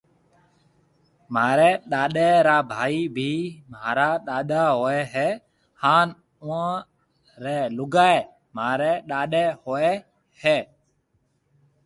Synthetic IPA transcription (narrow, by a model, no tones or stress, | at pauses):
maːɾɛːɗaːɗeːɾaːbʱaːiːbʱiːmaːɾaːɗaːɗaːɦoːɛːɦɛː | haːn | ʊã | ɾɛːlʊɡaːeː | maːɾeːɗaːɗeːhoːɛː | hɛː